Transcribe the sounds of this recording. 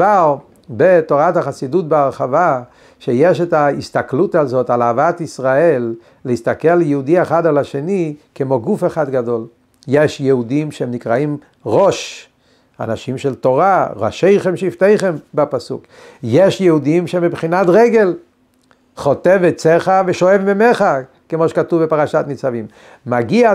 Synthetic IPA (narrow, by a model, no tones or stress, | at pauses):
aʁ | bet̪o̞ʁathaχasidutbeaʁχava | ʃejeʃetaist̪aklutazo̞t̪alaːvat̪isʁaelː | ehist̪akeljeud̪ieχadalaʃenikemo̞ɡufeχad̪ɡado̞l | jeʃjɛudimʃehemnikʁaim | ʁo̞ʃ | a̰naʃimʃelt̪o̞ʁaʁa̰ʃejχemʃeift̪ejχembapasṵk | jeʃjɛhud̪imʃemibχinat̪ʁeɡe̞l | χo̞t̪evet͡seχaveʃoevmimeχa | kemoʃe̥katuvbepaʁaʃat̪mit͡savimː | aɡia